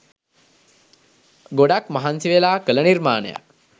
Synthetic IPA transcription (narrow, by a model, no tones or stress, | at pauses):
ɡoɽakmɐɦansiʋelaːkələniɾmaːnə̰ja̰k̚